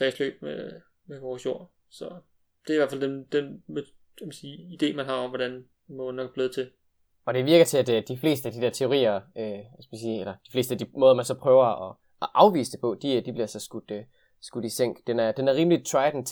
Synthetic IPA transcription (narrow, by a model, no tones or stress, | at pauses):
fʁɛslø̰ːb̥̚me | meʋɒsjo̝̰ɐ̰ | sɒ | d̥eɐiʋæɐfæld̥end̥enme | kɛmæsiːid̥e̝̰ːmænɦɑ̈ɒ̽mʋɒd̥æn | mɔ̽ːð̩ˠnɒɡ̥̚b̥leːðˠt͡sʰe̝l | ɒ̽d̥e̝ʋiɐɡ̥ɐt͡sʰe̝æd̥d̥ifle̝̰ːsd̥əæd̥id̥eɐt͡sʰe̝o̝ʁḭːɐøʋæsɡ̥mænsiːelɐd̥ifle̝̰ːsd̥æd̥imɔ̽ːðˠɐmænsɒ̽pʰʁœːʊɐɒ̽ | ʔɑ̈ʊʋḭːsəd̥e̝pʰɒ̽d̥id̥ib̥liɐsɒ̽sɡ̥ud̥ | sɡ̥ud̥iseŋ̰ɡ̥d̥enæɐd̥enæɐʁiːmli̥t͡sʰɑ̈ɪ̥n̩ʰ